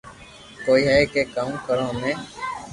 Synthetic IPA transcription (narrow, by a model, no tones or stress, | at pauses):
koːiːɦɛːkeːkaːũːkəɾãːmẽː